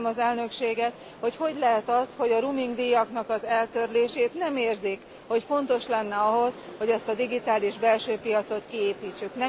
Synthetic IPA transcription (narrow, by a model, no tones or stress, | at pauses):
mɒzɛlnø̞kʃeːɡɛt̪ | ho̞cho̞ɟlɛɦɛt̪ɒst̪ho̞ɟɒɾumiŋɡd̪ijɒknɒkɒzɛlt̪ørleːʃeːt̪nɛmeːrzik | ho̞cfo̞n̪t̪o̞ʃlɛnːɛɒɦo̞sho̞ɟɛst̪ɒd̪iɡit̪aːliʒbɛlʃøːpijɒt̪so̞t̪kieːpiːt͡ʃːyknɛ